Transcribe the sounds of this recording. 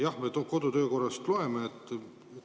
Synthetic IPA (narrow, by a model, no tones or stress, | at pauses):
jɑhmet̪oko̞d̪ut̪ø̞ːko̞rːɑst̪lo̞emeːt̪ːˑ